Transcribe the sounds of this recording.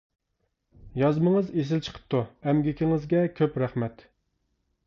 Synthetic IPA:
jɑzməŋəzes̬ɪlt͡ʃʰə̥qʰə̥p̚t̪ʰːuɛmɡʲikʲʰiŋɪzɡʲɛkʲʰøpɾæχmɛt̪

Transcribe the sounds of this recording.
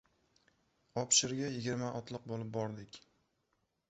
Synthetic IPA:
ɒpʃɪɾɡʲajɪɡʲɪɾmaʔɒt̪ʰlˠɨq̚bolˠɪp̚bɒɾd̪ɪkʲ

